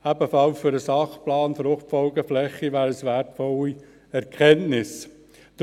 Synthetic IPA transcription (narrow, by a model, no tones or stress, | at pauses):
æbəfɑlfʏɾəsɑχplɑːnfɾʊχtfɔlɡəflɛχːiʋæːɾəsʋætfɔli | ɛɾkʰχɛntnɪs | t̪